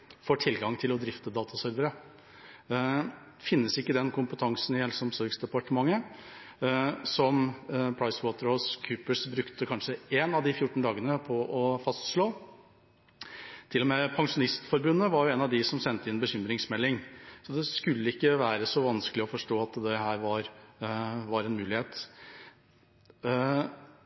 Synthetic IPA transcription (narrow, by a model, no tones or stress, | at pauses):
foʈʰɪlɡɑŋt̪ʰɪlɔd̪ɾɪft̪əd̪ɑːt̪ʰɑsœɾʋəɾə | fɪnːəsɪkːəd̪ɛnkʰʊmpət̪ʰɑŋsnɪhɛlsɔmsɔɾɡsd̪ɛpɑʈəmɑŋːə | sɔmpʰɽɑɪswoːt̪əɾhɔskʰʉːpəsbɾʉkt̪əkʰɑnʂəeːnɑʋd̪ɪfjʊʈːɳ̩d̪ɑːɡənəpʰɔʔɔfɑst̪ʂloː | t̪ʰɪlːɔmɛpʰɑŋʂʊnɪst̪fɔɾbʉnːəʋɑɾjʊeːnɑʋd̪ɪsɔmsɛnt̪əɪnbəçʏmɾɪŋsmɛlːɪŋsɔd̪ɛskʉlːəɪkːəʋæːɾəsɔʋɑnskəlɪɔfɔʂʈoːɑt̪d̪ɛɦæːɾʋɑɾ | ʋɑɾɛnmʉːlɪheːt̪